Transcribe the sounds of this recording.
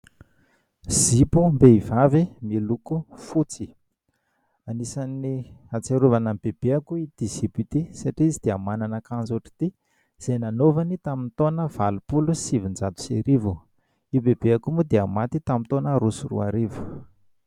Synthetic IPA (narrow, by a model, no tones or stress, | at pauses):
z̥ipumbeivavimilukufut͡si | anisaniat͡seɾuvanambeb̥eakuid̪iz̥ipit̪isaʈ͡ʂiizid̪̥eamananakãnzoʈ͡ʂi̥t̪i | z̥ejnanovanit̪amint̪onəv̥alupulusivind͡zat̪u̥seɾivu | ibebeakumud̪eamat̪it̪amint̪onəɾusurṵa̰ɾivu̥